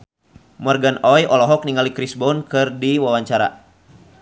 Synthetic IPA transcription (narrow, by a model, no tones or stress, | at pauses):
mɔrɡanɔjɔlɔɦɔk̚niŋalikɾisbɔnkɨrdiwawaɲt͡ʃaɾa̰